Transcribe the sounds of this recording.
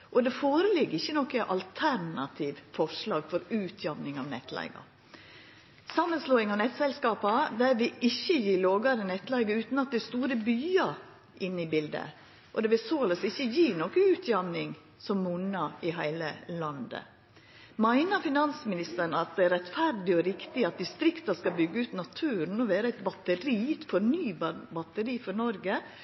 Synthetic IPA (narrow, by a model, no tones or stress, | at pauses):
ʔɔd̪ɛfoːɾəlɪɡːɪçːənɔkːəʔɑ̰lt̪ʰæɾnɑt̪ʰiːʋfɔʂlɑːɡfɔɾʉːt̪ʰjɑmnɪŋɑːʋnɛ̰t̪ʰlæ̰ɪɡɑ̰ | sɑmːənsloːɪŋɑʋnɛt̪sɛlskɑːpɑd̪ɛɾʋɪɪçːəjiːloːɡɑɾənɛt̪ːlæɪɡəʉːt̪n̩ɑt̪̚d̪ɪst̪uːɾəbyːɑɾ | ʔɪnːɪbɪld̪ə̰ | ʔɔd̪ɛːʋɪlsoːləsɪçəjiːnoːkəʉːt̪ʰjɑmnɪŋ | sɔmːʉnɑɪɦæɪləlɑnd̪ə̰ | mæɪnəɾfɪnɑnsmɪnɪst̪əɳɑt̪̚d̪ɛæɾɛt̪fæɾdɪɔɾɪkt̪ɪɑt̪̚d̪ɪst̪ɾɪkt̪ɑskɑbʏɡːəʉːt̪nɑt̪ʰʉːɾn̩ɔʋeːɾəæɛɪt̪bɑt̪əɾiːt̪fɔɾnyːbbɑt̪əɾiːfɔnɔɾɡə